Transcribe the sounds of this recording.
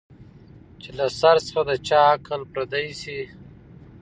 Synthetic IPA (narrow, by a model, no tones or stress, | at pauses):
t͡ʃelasaɾsə̥xad̪ət͡ʃɑkʰəlpɾad̪ajsi